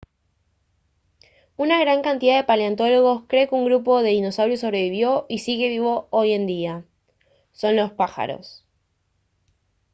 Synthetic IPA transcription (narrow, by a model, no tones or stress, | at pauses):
unaɣɾaŋkant̪iðaðepaleant̪o̞lo̞ɣ̞o̞skɾe̞ːkeuŋɡɾup̬o̞ðeðino̞sawɾjoso̞βɾe̞βiβjo̞ʔisiɣe̞βiβo̞oje̞nd̪ia | so̞nlo̞spaxa̰ɾo̞̰s